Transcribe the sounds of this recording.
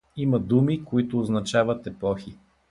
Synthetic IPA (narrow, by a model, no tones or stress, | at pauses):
imɐd̪umikoit̪ʊːznɐt͡ʃavɐt̪ɛpɔxi